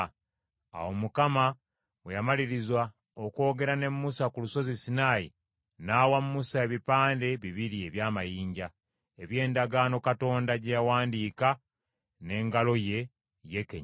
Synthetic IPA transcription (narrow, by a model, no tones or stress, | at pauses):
a̰womukama | wejamaliɾizwa | oko̞ːɡe̞ɾane̞mːusakuluso̞zisinaːji | naːwamːusae̞βipaːnde̞βiβiɾie̞βjaːmajiːɲɟa | eβje̞ːndaɡaːno̞kato̞ːndaɟejawaːndiːka | ne̞ːŋɡalo̞je̞ | je̞kḛɲ